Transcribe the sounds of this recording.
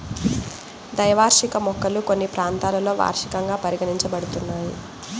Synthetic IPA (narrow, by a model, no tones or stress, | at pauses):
d̪ɐjɐʋaːɾʂikɐmɔkːɐluko̞nːipɾaːnt̪aːlɐlo̞ːʋa̰ːɾʂi̥kɐŋɡaːpɐɾiɡɐɳiɲt͡ʃɐbɐɽut̪unːaːji